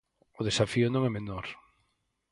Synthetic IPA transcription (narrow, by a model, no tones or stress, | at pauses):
ʊð̞esafiʊnõŋɛmenoɾ